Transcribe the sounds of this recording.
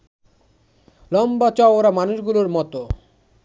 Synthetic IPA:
lɔmbat͡ɕɔɾamanuʃɡuloɾmɔt̪o

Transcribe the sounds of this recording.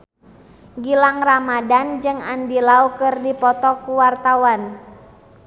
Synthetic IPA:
ɡilaŋramadand͡ʒɨŋandilaukɨrdipɔt̪ɔkuwart̪awan

